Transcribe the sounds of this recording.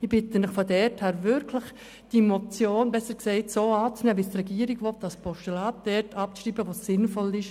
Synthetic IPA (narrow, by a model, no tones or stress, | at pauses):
ɪb̥ɪtənɪχfodɛɾthɛːɾvɪɾkʰləχ | d̥imɔt͡sjoːnbɛsəksɛɪtsoːɑːt͡snɛːʋistrɛɡiəɾiɡʋɔtɑspɔʃtulaːt̚d̥ɛɾtɑp̚t͡sʃriːbəʋosɪnfɔlɪʃ